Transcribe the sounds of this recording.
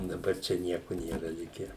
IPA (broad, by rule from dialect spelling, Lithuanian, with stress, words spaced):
dɐˈbɐr ˈt͡ʃʲɛ ˈnʲiɛkʊ ˈnʲeːrɐ ˈlʲɪkʲæː